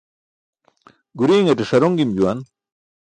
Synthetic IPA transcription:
ɡuɾiːŋɐʈeʂɐɾoŋɡimd͡ʑuwɐn

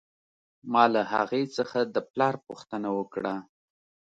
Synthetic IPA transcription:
mɑlaha̰ɣet͡səxad̪əplɑɾpuxt̪ənawəkɽa

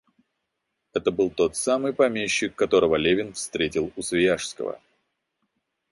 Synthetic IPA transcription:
ɛt̪əbɨlˠt̪o̞t̪samɨjpɐmʲeɕːɪkːɐt̪o̞ɾəvəlʲevʲɪnfst̪ɾʲetʲɪlˠʊsvʲɪjaʂskə̰və̰

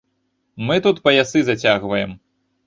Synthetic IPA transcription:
mɨt̪ut̪pɐjasɨzɐt͡sʲaɣvɐjɛm

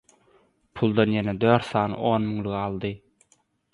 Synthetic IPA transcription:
pʰulˠd̪ɑnjened̪øːɾt̪sθɑːnɯ̰ʔo̞ːnmyŋliɣɑlˠd̪ɯ

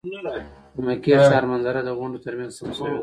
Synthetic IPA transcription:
kʊmakiaʃɑɾmanzaɾad̪əɣʊɳɖot̪əɾmjanzsams

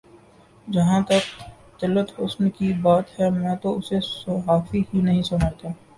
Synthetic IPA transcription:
d͡ʒɐɦãt̪ɐk̚ | t̪ɪlːət̪ʊsnkibaːt̪hɛmɛ̃ːt̪oʊsesɐɦaːfiɦinɐɦĩsʊnaːt̪aː

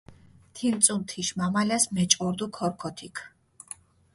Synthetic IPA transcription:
t̪ʰint̪sʼunt̪ʰiʃmamalɛsmɛt͡ʃʼɔɾd̪ukʰɔɾkʰɔt̪ʰikʰ

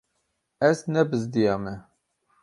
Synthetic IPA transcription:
ɛznɛbɨzd̪ijɑːmɛ

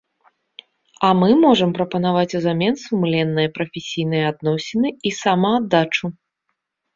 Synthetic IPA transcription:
ɐmɨmɔʐɐmpɾɐpɐn̪avat͡sʲuzamʲɛnsumlʲɛnːɨjɐpɾɐfʲesʲijnɨjɐad̪̚nɔsʲɪnɨisamaːd̪ːat͡ʂu

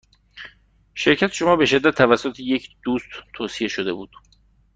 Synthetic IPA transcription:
ʃe̞ɾcʰæt̪ʰe̥ʃo̞mɒːbe̞ʃe̞d̪ːæt̪ʰːævæsːot̪ʰejecʰd̪̥uːst̪t̪ʰoːsije̞ʃod̪e̞buːd̪̥

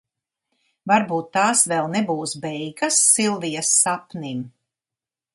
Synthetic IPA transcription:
vaɾbuːt̪ːaːsvɛlˠnɛbuːsbɛjɡasːilˠvijɐsːapnim

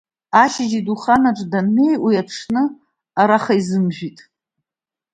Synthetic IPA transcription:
aʃɪd͡ʒiduχanaʈ͡ʂʼdanme̞jʔʷiaʈ͡ʂʰnɨ | aɾaχaizɨmʒᶣitʼ

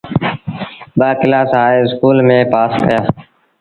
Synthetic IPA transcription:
ɓaːkɪlaːsɦaːeːɪskuːlmẽːpaːskəjaː

